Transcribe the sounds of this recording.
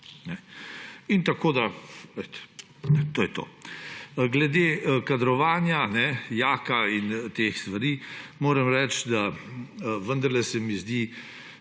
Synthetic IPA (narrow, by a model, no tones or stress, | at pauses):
nɛ | int̪akoːd̪aʋet̪ɛ̥ | ɛt̪oːjɛt̪o̰ː | ɡlɛd̪ekad̪ɾɔʋaːnjanɛjaːkaint̪exst̪ʋaɾiːmoːɾɛmɾɛt͡ʃ̪d̪a | ʋənd̪ɐɾlɛsɛmizd̪i